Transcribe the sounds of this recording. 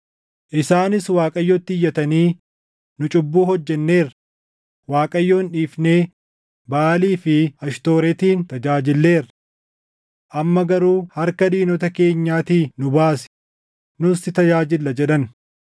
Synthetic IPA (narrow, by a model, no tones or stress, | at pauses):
ʔɪsaːnɪswaːkʼɐjːɔt̪ːɪɪjːɐt̪ɐniː | nʊt͡ʃʼʊbːuːhɔd͡ʒːɛnːe̞ːɾ | waːkʼɐjːo̞ːnᶑiːfne̞ː | baːliːfɪɐʃt̪o̞ːɾɛt̪iːnt̪ɐd͡ʒaːd͡ʒɪlːe̞ːɾɐ | ʔɐmːɐɡɐɾuːhɐɾkɐd̪iːnɔt̪ɐke̞ːɲːaːt̪iːnʊbaːsɪ̥ | nʊst̪ɪt̪ɐd͡ʒaːd͡ʒɪlːɐd͡ʒɛᶑɐn